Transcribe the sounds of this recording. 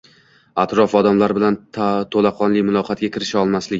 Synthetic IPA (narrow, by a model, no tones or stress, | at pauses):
at̪ɾɒfɒd̪amlaɾbɪlant̪ʰolaqʰɒnlɪmʊlˠɒqʰɑt̪̚ɡʲakʲʰɪɾɪʃaɒlˠmaslɪɡʲɪ